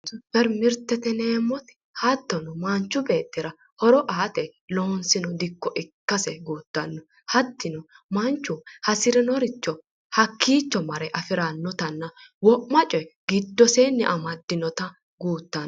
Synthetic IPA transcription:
ʊfɛɾmɪɾt̪ːɛt̪ɛneːmːɔt̪ɪ̥ | hɐt̪ːɔnɔmɐnt͡ʃːʊbe̞ːt̪ːɪɾɐ | hɔɾɔʔaːt̪ɛloːnsɪnɔd̪ɪkːɔʔɪkːɐsɛɡuːt̪ːɐnːɔ | hɐt̪ːɪnɔ | mɐnt͡ʃːʊhɐsɪɾɪnɔɾɪt͡ʃːɔ | hɐkːiːt͡ʃːɔmɐɾɛʔɐfɪɾanːɔt̪ɐnːɐwɔʔmɐt͡ʃʼɔjɡɪd̪ːɔseːnːɪ̰ʔɐmɐd̪ːɪnɔt̪ɐ | ɡuːt̪ːɐnː

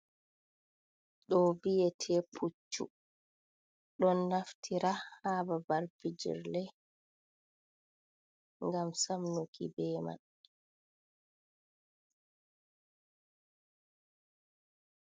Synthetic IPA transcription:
ɗɔbijɛtʰɛːpʰut͡ʃːṵ | ɗɔnːaftʰiɾahaːbabaɾfid͡ʒḭɾlɛ | ŋɡamsamnokḭbɛːma̰n

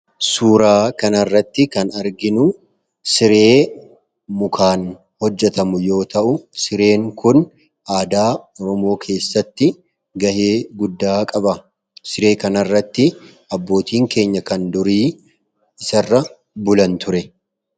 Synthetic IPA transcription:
suːɾaːkɐnɐrːɐt̪ːɪkɐnɐɾɡɪnʊ | sɪɾe̞ː | mʊkʰaːn | hɔd͡ʒːɛt̪ɐmʊjo̞ːt̪ɐʔʊsɪɾe̞ːŋkʊn | ʔaːd̪aːɔɾɔmo̞ːkʰe̞ːsːɐt̪ːɪ | ɡɐheːɡʊd̪ːaːkʼɐbɐ | sɪɾe̞ːkɐnɐrːɐt̪ːɪ | ɐbːo̞ːt̪iːŋke̞ːɲːɐkɐnd̪ʊɾiː | ɪsɐrːɐ | bʊlɐnt̪ʊɾɛ

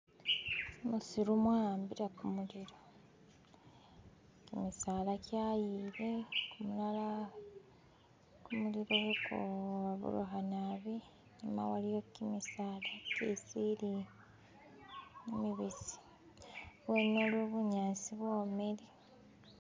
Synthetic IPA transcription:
musiɾumwambiɾakumuliɾo | kimisaːlacaːjilekumulala | kumuliɾoβukoβaβṵɾṵɦanaβi | ɲima̰walijokimisaːlacesili | emiβisi̥ | βwenːoluβuɲaːnsiβwoːmeɾi

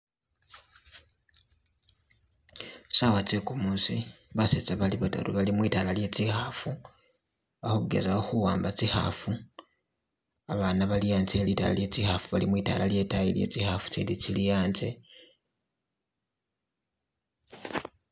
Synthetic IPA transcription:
sawat͡sekumuːsi | βaset͡saβaliβata̰ɾṵβalimwiːtalalje̞ːt͡ʃixafu | βaxuɡe̞̰zaoxuwaːmbat͡siha̰fu | aβaːnaβalijaːnt͡se̞ːlita̰la̰lje̞t͡sixafuβalimwiːta̰lalje̞tajilje̞̰t͡sixafu̥t͡ʃelit͡ʃilijaːnt͡se̞

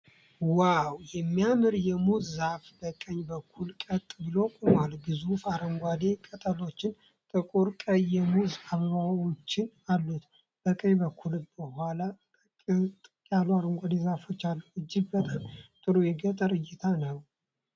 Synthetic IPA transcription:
wawjɛmːijamɨɾjɛmuzːafbəkʼəɲbəkʰːulkʼət̪ʼbɨlokʼumalɡɨzufaɾəŋɡʷad̪e̞kʼət̪ʼəlo̞t͡ʃːɪn | t̪ʼɨkʼuɾkʼəjːɛmuzaβəβawot͡ʃːɪnalːut̪ | b̥əkʼəɲbəkʰːulb̥əhala | t̪ʼ | jalwaɾəŋɡʷad̪e̞zafot͡ʃːalːəwɨd͡ʒːɪɡ̚bət̪ʼamt̪ʼɨɾujɛɡət̪ʼəɾɨjːɪt̪ʰanəw

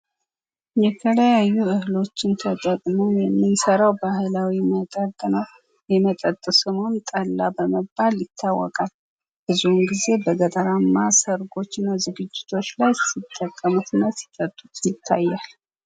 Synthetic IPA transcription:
jɛt̪ʰələjajːuɨhɨlo̞t͡ʃːɪnt̪ʰət̪ʼəkʼmowjɛmːɨnsəɾawbahlawimət̪ʼətʼ | jɛmət̪ʼət̪ʼːɨsɨmont̪ʼəlːabəməaljɪt̪ʰːawːɔkʼal | b̥ɨzuhumɡize̞bəɡət̪ʼəɾamːasəɾɡo̞t͡ʃːnːazɨɡɨd͡ʒːɪt̪ʰo̞t͡ʃːlajsit̪ʰʼːəkʼːəmut̪nəsi̥t̪ʼət̪ʼːut̪jɪt̪ʰːajːal

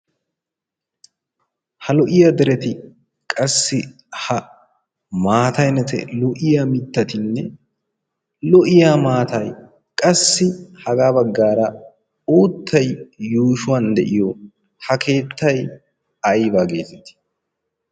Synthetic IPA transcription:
hɐlɔʔɪjad̪ɛɾɛt̪ɪ | kʼɐsːɪ | hɐ | maːt̪ɐjnɛt̪ɛ̰lɔʔɪjaːmɪt̪ːɐt̪ɪnːɛ | lɔʔɪjaːmaːt̪ɐj | kʼɐsːɪhɐɡaːbɐɡːaːɾɐ | uːt̪ʰːɐjːuːʃʊwand̪ɛ̰ʔɪjɔ | hɐkʰe̞ːt̪ʰːɐj | ɐjbaːɡe̞̰ːzɛt̪ːɪ̥

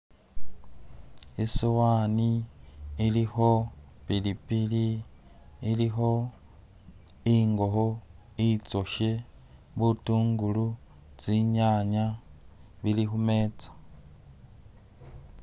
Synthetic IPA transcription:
isiwaniː | liho | pilipiliː | liɦo | iŋɡoɦo | it͡sʼoʃe | βutuːŋɡulu | t͡siɲaɲa | βilihumeːt͡sʼḁ

